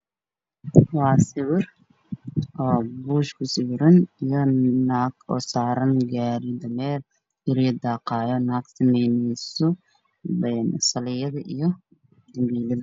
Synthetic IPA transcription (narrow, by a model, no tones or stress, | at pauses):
wɑːsɪwɪr | ɔːbuːʃkʰʊsɪwɾɐnijɔnaːɡɔ̰ːsaːɾɐnɡaːɾɪd̪ɐmɛːl | ɪɾid̪aːqɑːjɔnaːɡsɐmɛjnɛjsɔ | bɛnsɐlɪjɐðɐʔijɔ | d̪ɐmbiːlɐðɐ